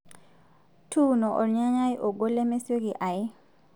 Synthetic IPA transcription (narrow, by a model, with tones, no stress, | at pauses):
tʰu˦nɔ˨ʔɔ̰˨ɾɲa˦ɲa˦jʔo˨ɡo˦lɛ˦me˦sjo˦ɡi˨ʔa˨ɪ˦